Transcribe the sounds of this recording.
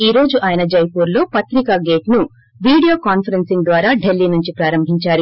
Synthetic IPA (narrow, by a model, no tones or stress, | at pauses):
iːɾo̞ːd͡ʒuʔaːjɐnɐd͡ʒɐjpuːɾlo̞ːpɐt̪ɾikaːɡeːʈnu | ʋiːɽijo̞ːkaːnpʰɐɾensiŋd̪ʋaːɾaːɖe̞lːiːnuɲt͡ʃipɾaːɾɐmbʱiɲt͡ʃaːɾu